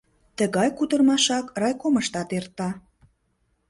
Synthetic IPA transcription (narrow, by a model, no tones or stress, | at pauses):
t̪əɣɑjkud̪ərmɑʃɑkrɑjkoməʃt̪ɑt̪ert̪ɑ